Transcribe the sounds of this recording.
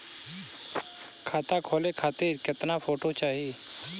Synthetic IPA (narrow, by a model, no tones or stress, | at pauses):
kʰaːt̪akʰoːlekʰaːt̪iːɾkɪt̪napʰoːʈot͡ʃaːɦieː